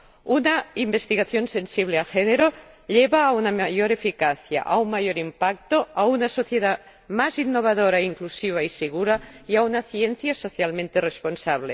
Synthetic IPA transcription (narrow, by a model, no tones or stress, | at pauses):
unaimbest̪iɣaθjonsensiβ̞lealxeneɾoʎeβaːunamajoɾefikaθja̰ʔa̰unmajoɾimpak̚t̪oaunasoθjeða | mazinːoβ̞aðoɾaiŋklusiβ̞aiseɣ̞uɾaiaunaθjenθjasoθjalmẽnt̪eresponsaβ̞le